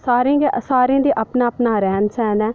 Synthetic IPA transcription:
saːɾẽːɡesaːɾẽːd̪iːʔəpnaːpnaːɾɛːnsɛːnɛː

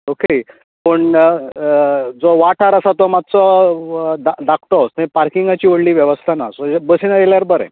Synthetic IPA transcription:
oke | pəɳ | d͡zoʋaʈʰaɾasat̪ɔmat̪t͡sɔ | d̪ad̪akʰt̪ɔɦosnaĩpaɾkiŋɡat͡ɕiːʋəɽliːʋjeʋəst̪ʰanasɔbəsinaj̪eljaɾbəɾɛ̰̃

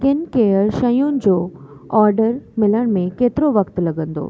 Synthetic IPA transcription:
kɪnkeːəɾʃɐjunɪ̆d͡ʑoːɔːɾɖəɾmɪləɽ̃mẽkeːt̪ɪɾoʋɐkt̪lɐɡə̃nd̪o̰ː

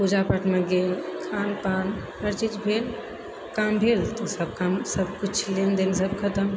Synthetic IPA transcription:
pud͡ʒapəʈʰmeɡelkʰanpanhəɾt͡ʃid͡ʒbʱel | kambʱelt̪ɔsəb̚kamsəb̚ʱkut͡ʃʰlend̪ensəb̚kʰət̪əm

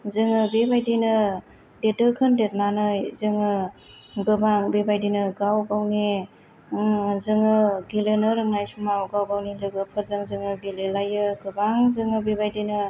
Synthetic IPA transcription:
zɯŋɯbebajdinɯ | detɯkʰɯndet̚nanɯjzɯŋɯ | ɡɯbaŋbebajdinɯɡawɡawne | zɯŋɯɡelenɯɾɯŋnajsumawɡawɡawnilɯɡɯpʰɯɾzaŋzɯŋɯɡelelajɯɡɯbaŋzɯŋɯbebajdinɯ

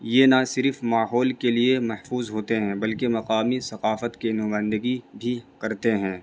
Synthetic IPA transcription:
jenasɪɾfmaːɦɔːlkeliemɐhfuːzɦoːt̪eɦɛ̃ːbɐlkemɐqaːmisɐqaːfət̪kinʊãːnd̪əɡibʱikɐɾt̪eɦɛ̃ː

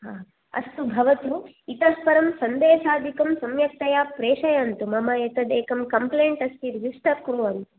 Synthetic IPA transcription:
ɦaː | ɐ̰st̪ubʱɐʋɐt̪u | it̪ɐspɐɾɐmsɐnd̪eːʃaːd̪ʱikɐmsɐmjɐk̚t̪ɐjaːpɾeːʂɐjant̪umɐmɐjɐt̪ɐd̪eːkɐmkɐmpleːɳʈɐst̪iɾid͡ʒiʂʈɐɾkɾuːʋɐnt̪u̥

